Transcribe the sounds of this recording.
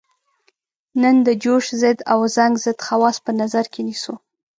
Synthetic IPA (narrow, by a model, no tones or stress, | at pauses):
nənd̪əd͡ʒoʃzɪd̪awzaŋɡzɪd̪xawɑspənazaɾkʰenisu